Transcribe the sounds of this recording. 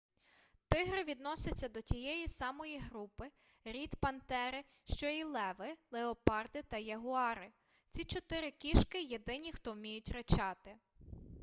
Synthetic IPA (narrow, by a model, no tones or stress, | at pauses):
t̪ɪɦɾɪʋʲid̪nɔsʲɐt͡sʲːɐd̪ɔtʲijɛjisɑmɔjiɦɾupɪ | ɾʲit̪pɐnt̪ɛɾɪ | ʃt͡ʃɔilˠɛʋɪlˠeɔpɑrd̪ɪt̪ɐjɐɦʊɑɾɪ | t͡sʲit͡ʃɔt̪ɪɾɪkʲiʃkɪjed̪ɪnʲixt̪ɔwmʲijʊtʲret͡ʃɑt̪ɪ